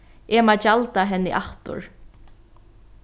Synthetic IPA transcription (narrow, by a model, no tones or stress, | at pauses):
ɛːmat͡ʃalt̪aɦɛnːɪʔaht̪ʊ̰ɹ